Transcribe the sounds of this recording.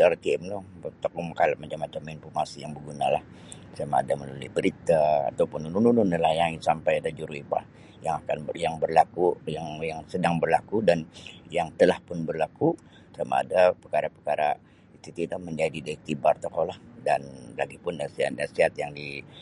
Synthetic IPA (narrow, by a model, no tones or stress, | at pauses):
art̪iɛmlʊh | t̪okɔmkalamat͡ʃamat͡ʃamːinpumasijaŋbəɡuna̰lah | samaːdaməlulḭhbəɾit̪aa̰t̪awpʊnːununununəlahjaŋisampajadad͡ʒuɾuiba̰h | jaŋakanjaŋbərlakujaŋjaŋsədaŋbərlakudanjaŋt̪əlahpʊnbərlaku | sama̰ːdapəkaɾapəkaɾa | it̪it̪it̪ahməɲd͡ʒadidaik̚t̪ibart̪okɔhlahdanla̰ɡipʊndasia̰dasiat̪̚jaŋdi